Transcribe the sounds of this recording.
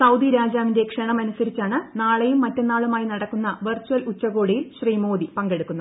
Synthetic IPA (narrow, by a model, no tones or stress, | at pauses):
sɐwd̪iɾaːd͡ʑaːʋindekʂɐɳɐmɐnusɐɾit͡ɕːaːɳɨnaːɭejumːɐtːenːaːɭumaːjinɐɽɐkːunːɐʋɐrt͡ɕːuɐlutːɐɣo̞ːɽijilɕriːmo̞ːd̪ipɐŋɡe̞ɽukːunːɐð